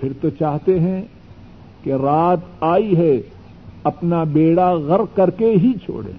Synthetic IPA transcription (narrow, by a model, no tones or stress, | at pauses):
pʰɪɾt̪ot͡ʃaːɦt̪eɦɛ̃ | keɾaːt̪aːiɦɛ | ɐpnabeːɽaɣɐɾkɐɾkeɦit͡ʃʰo̰ːɽḛ̃ː